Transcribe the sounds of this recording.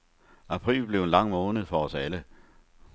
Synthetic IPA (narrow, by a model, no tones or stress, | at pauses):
ʔæpʰʁḭːlb̥le̝ʊenlɑ̈ŋ̰mɔːnəð̩ˠfɒɒ̽sælə